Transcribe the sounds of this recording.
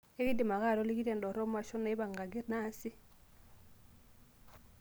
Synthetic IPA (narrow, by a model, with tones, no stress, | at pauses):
e˦kɪ˦di˨ma˨ka˦˨dɔ˦li˦ki˦ɾɛ˨ndɔ˨ɾɔ˦ma˨ʃɔ˦nɛ˦ba˨ŋɡa˨ɡɪ˦rna˦sɪ˦